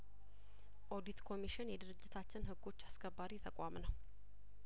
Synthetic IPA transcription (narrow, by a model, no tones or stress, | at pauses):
ʔo̞d̪it̪kʰo̞miʃɪnjɛd̪ɨɾɨd͡ʒːɪt̪ʰat͡ʃːɪnɦɨɡːo̞t͡ʃːaskʰəbːaɾit̪ʰəkʼʷamnəw